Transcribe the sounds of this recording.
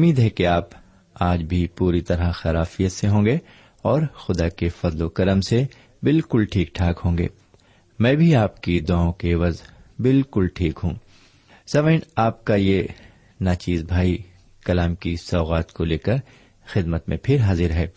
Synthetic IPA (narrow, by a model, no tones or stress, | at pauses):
ʊmiːd̪ɦɛkeaːp | aːd͡ʒbʱipuːɾit̪ɐɾaxɐɾaːfijət̪seɦõːɡeː | ɔːɾxʊd̪akefɐzlokɐɾəmse | bɪlkʊlʈʰiːk̚ʈʰaːkɦõːŋɡḛː | mɛ̃ːbʱiaːpkid̪ʊaːõkeʋɐzbɪlkʊlʈʰiːkɦũː | sɐʋeːnaːp̚kaje | naːt͡ʃiːzbʱaːi | kɐlaːmkisɔːɣaːt̪koleːkəɾ | xɪd̪mət̪mḛ̃pʰɪɾɦaːzɪɾɦɛː